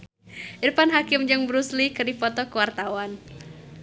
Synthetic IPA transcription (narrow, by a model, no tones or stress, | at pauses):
ʔirpanɦakɪmd͡ʒɨŋbɾuslikɨrdifɔt̪ɔkuwart̪awan